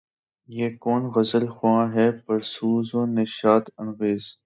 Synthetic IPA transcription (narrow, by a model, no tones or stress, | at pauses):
jeːkoːnɣɐzəlxwãːɦɛːpɐɾsuːzõːneʃaːt̪ɐnɣeːz